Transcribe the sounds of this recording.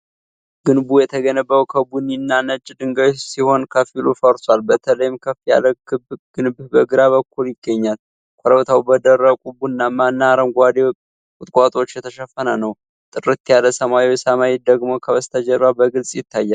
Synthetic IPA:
ɡ̥ɨnbujɛt̪ʰəɡənəbːəwkʰəbuninːanət͡ʃʼd̪ɨŋɡəsiho̞nkʰəfilufəɾsʼwalbət̪ʰələjɪmkʰəfija̰ləkɨbɡ̥ɨnbbəɡɨɾaβəkːuljɪɡːəɲːal | kʷʰʼɔɾəβt̪ʰawbəd̪ərːəkʼubuɨnːamanːaɾəmɡʷad̪e | kʼʊt̪ʼkʼat̪ʼo̞t͡ʃːjɛt̪ʰəʃəfːənənəw | t̪ʼɨrɨt̪jaləsəmaiwsəmaid̪əɡmo̞kʰəβəst̪ʰəd͡ʒəɾːabəɡɨlsʼjɪt̪ʰːajːal

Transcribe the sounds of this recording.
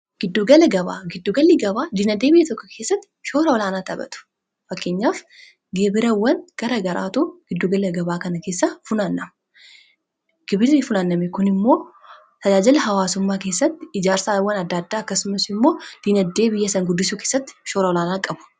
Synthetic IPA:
ɡ̥ɪd̪ːuːɡɐlɐɡɐβa̰ːɡɪd̪ːuːɡɐlːɪɡɐbaːd̪iːnɐd̪ːe̞ːbɪjːɐt̪ɔkːɔkʰe̞ːsːɐt̪ːɪ̥ʃo̞ːɾɐɔlaːnaːt̪ɐbɐ̰t̪ʊ̥ | fɐkːe̞ːɲːaːf | ɡeːbɪɾɐwːɐnɡ̥ɐɾɐɡɐɾa̰ːt̪uːɡ̥ɪd̪ːuɡɐlɐɡɐbaːkɐnɐke̞ːsːɐfʊnanːɐmɐ | ɡ̥ɪbɪɾɪfʊnanːɐmɛkʊnɪmːo̞ː | t̪ɐd͡ʒaːd͡ʒɐlɐɦɐwaːsʊmːaːke̞ːsːɐt̪ːɪɪd͡ʒaːɾsaːwːɐnɐd̪ːad̪ːaːɐkːɐsʊmɐsɪmːo̞ːd̪̥iːnɐd̪ːe̞ːbɪjːɐsɐŋɡʊd̪ːɪsuːke̞ːsːɐt̪ːɪ̥ʃo̞ːɾɐɔlaːnaːkʼɐbʊ̥

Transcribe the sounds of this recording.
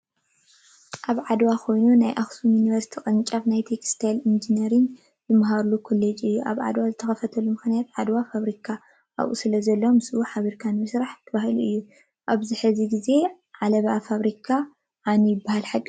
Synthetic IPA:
ʔaβʕad̪wakʰo̞jnunajʔaxsumjuniβɐɾsi̥t̪ʰikʼɐnt͡ʃʼaβnajt̪ʰekst̪ʰajlind͡ʒinɐɾɨn | zɨmaɦaɾlukʰulːet͡ʃʼɨjːuʔa̰βʕa̰d̪wazɨt̪ʰɐxɐfɐt̪ʰɐlumɨxɨnjat̪̚ʕad̪wafaβɾikʰa | ʔa̰βʔṵsɨlɐzɐlːomɨsʔuħaβiɾkʰanmɨsɾaħt̪ʰːɐβahɨluʔɨjːu | ʔaβzɨħɨziɡize̞ | ʕalɐβafaβɾikʰa | ʕanujɪbːahalħakʼː

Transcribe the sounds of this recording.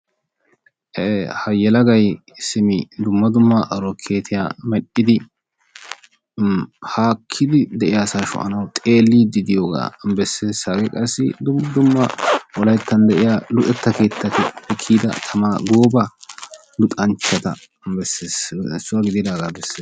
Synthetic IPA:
ehɐjɛlɐɡɐj | sɪmɪd̪ʊmːɐd̪ʊmːɐʔɐɾɔkʰe̞ːt̪ʰɪja̰ːmɛɗːɪd̪ɪ | haːkʰːɪd̪ɪd̪ɛʔɪjaːsaːʃʊ̰ʔɐ̰nɐwt̪ʼe̞ːlːiːd̪ɪd̪ɪjoːɡa̰ːbɛsːeːsaɡɛkʼɐsːɪ̰d̪ʊd̪ʊmːɐʔɔlɐjt̪ːɐnd̪ɛʔɪjaːlʊt̪ʼɛt̪ːɐke̞ːt̪ːɐkɛpɛkʰːiːd̪ɐ̰t̪ʰɐmaɡoːbɐ | lʊt̪ʼɐnt͡ʃːɐt̪ɐ | bɛsːeːssːʊɐɡɪd̪ɪd̪aːɡaːbɛsːeːs

